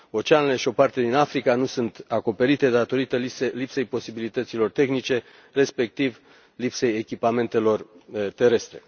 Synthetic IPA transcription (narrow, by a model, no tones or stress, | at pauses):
o̞t͡ʃanleʃio̞part̪e̞d̪inafɾikanusunt̪ako̞pe̞ɾit̪e̞d̪at̪o̞ɾit̪əiselipse̞jpo̞sibilit̪ət̪silo̞rt̪e̞xnit͡ʃe̞ | re̞spe̞k̚t̪iv | lipse̞jekʲipame̞nt̪e̞lo̞rt̪e̞ɾe̞st̪ɾe̞̰